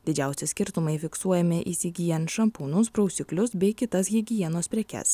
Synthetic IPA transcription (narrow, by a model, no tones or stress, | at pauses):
d̪ʲɪd͡ʒʲæˑʊsʲɛsʲkʲɪɾt̪ʊmɐɪfʲɪksuɔjɛmʲɪʔiːsʲɪɡʲɪjɛnʃɐmpuːnʊsbɾɒʊsʲɪklʲʊsbʲɛɪkʲɪt̪ɐsjʲɪɡʲɪjiɛnoːspʲɾʲɛkʲɛ̰s